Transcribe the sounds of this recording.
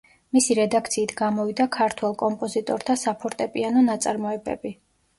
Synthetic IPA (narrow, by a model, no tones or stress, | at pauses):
misiɾɛd̪ak̚ʰt̪sʰiːt̪ʰɡamɔvid̪akʰaɾt̪ʰwɛlˠkʼɔmpʼɔzit̪ʼɔɾt̪ʰasapʰɔɾt̪ʼɛpʼianɔnat̪sʼaɾmɔɛbɛ̰bi